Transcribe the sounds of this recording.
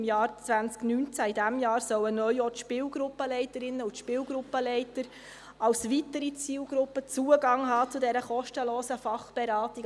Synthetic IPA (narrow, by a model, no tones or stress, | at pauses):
mjɑːɾt͡svænsknyːnt͡sæidæmjɑːɾsœwənœʏɔt̪ʃpɪːlɡɾʊpːəlɛɪtəɾɪnːəut̪ʃpɪːlɡɾʊpːəlɛɪtəɾ | ɑlsʋitəɾit͡siːlɡɾʊpːət͡suːəɡɑŋɦɑːt͡sʊdɛɾəχɔʃtəloːsəfɑχb̥ɛɾɑːtiɡ